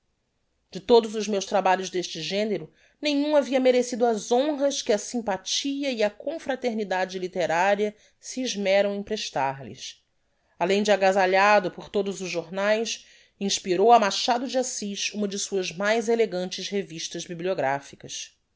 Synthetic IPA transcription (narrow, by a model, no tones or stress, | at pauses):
d͡ʒɪt̪od̪ʊzʊzmewʃt̪ɾabaʎʊzd̪eʃt͡ʃɪʒẽneɾʊ | nẽɲ̃ũaviɐmeɾesid̪ʊazõɦɐʃkɪɐsĩmpat͡ʃiɐiɐkõfɾat̪eɾnid̪ad͡ʒɪlit̪eɾaɾiɐ | siːʒmɛɾɐ̃w̃ẽj̃pɾeʃt̪aɾlɪ̰s | alẽj̃d͡ʒɪaɡazaʎad̪ʊpʊχt̪od̪ʊzʊʒʒoɾnajs | ĩʃpiɾowɐmaʃad̪ʊd͡ʒɪasiʃũmɐd͡ʒɪsuɐzmajzeleɡɐ̃nt͡ʃɪsheviʃt̪ɐzbiblioɡɾafikɐs